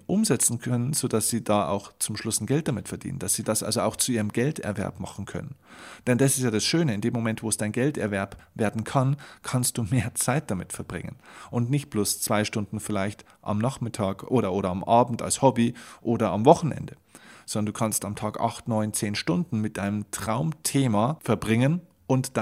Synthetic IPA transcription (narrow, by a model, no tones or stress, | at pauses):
ʔʊmzɛt͡sn̩kʰœnənz̥oːdasz̥iːdaːa̰ʊxt͡sʊmʃlʊsn̩ɡɛlt̚d̥amɪtfɛɐd̥ḭːnə̰nd̥asz̥iːd̥asʔa̰lzoaʊxt͡suʔiːʁəmɡɛltɛ̰ɐvɛ̰ɐpma̰χn̩kʰœ̰nənd̥ɛndasɪstjaːdasʃøːnəɪndeːmːomɛntv̥oːɛsd̥aɪnɡɛltɛ̰ɐvɛɐpveːɐdn̩kʰankʰanst̚d̥uːmeːɐt͡saɪt̚d̥amɪtfɛɐbʁɪ̰ŋə̰nʔʊntnɪçt̚b̥loːst͡sv̥aɪʃtʊndn̩fɪlaɪçt | ʔa̰mnaχmɪtʰaːkʔoːɾɐʔoːɾɐamʔaːbm̩ta̰lshɔbiʔoːɾɐamvɔχn̩ʔɛ̰ndə | zɔndɐnduːkʰanstamtʰaːkʔa̰χtnɔʏnt͡seːnʃtʊndn̩mɪt̚d̥aɪnəmtʁ̥aʊmtʰeːmafɛɐbʁɪŋən | ʔʊntd̥a